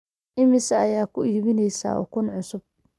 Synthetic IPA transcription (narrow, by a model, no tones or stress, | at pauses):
ʔɪmɪsɐːjaːkʰʊʔiːβɪnɛjsa̰ːɔ̰ːkʰʊnʕʊsʊb̚